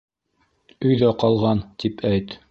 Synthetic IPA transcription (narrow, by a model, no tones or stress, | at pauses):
ɵ̆jðæqɑlˠʁɑnt̪ipʰæjt̪